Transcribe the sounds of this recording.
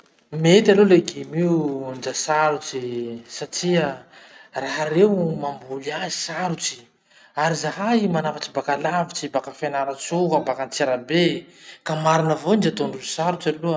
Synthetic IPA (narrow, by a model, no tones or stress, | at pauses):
met̪aloleɡemiund͡ʒasaɾut͡sisaʈ͡ʂiə | raɦaɾeumambuliazisaɾut͡si̥ | aɾizaɦaimanafat͡ʃibakalavit͡sibakafenaɾat͡sukabakant͡seɾabekamaɾinəvoind͡ʒat̪oɳɖ͡ʐusaɾut͡salu